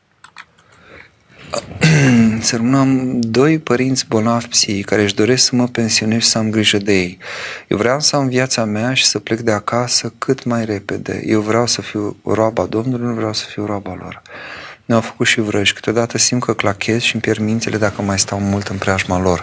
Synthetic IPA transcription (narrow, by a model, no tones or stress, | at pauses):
sərmɨnamd̪o̞jpəɾint̪sʲbo̞navpsijkaɾe̞ɨʃd̪o̞ɾe̞sksəməpe̞nsio̞ne̞zʃi̥səamɡɾiʒəd̪e̞je̞jjewvɾeamsəamvjat̪sameaʃi̥səple̞k̚d̪e̞akasəkʰɨt̪majre̞pe̞d̪e̞̰jʔe̞wvɾeawsəfiwroabad̪o̞mnulujuvɾeawsə̥fiwɾoabalo̞̰rneawfə̥kut̪ʃivɾəʃʲkɨ̥t̪o̞d̪at̪əsimt̪kəklakʲʰe̞zʃimpjermint̪selʔe̞d̪akəmajst̪awmult̪ɨnpɾeaʒmalo̞r